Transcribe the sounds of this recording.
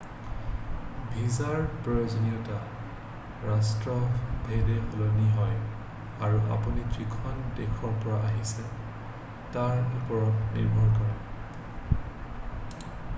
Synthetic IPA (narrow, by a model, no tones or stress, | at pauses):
bʱizaɹpɹɔjozɔniɔta | ɹastɹɔbʱedɛxoloniɦɔj | aɹuʔa̰punitɹikʰɔndekʰɔɹpɔɹaʔaɦisɛ | taɹupɔɹɔnḭɹbʱɔɹkɔɹɛ